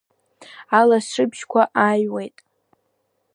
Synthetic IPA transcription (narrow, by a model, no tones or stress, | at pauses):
alaʂɨbʒkʷʰaʔajwe̞jtʼ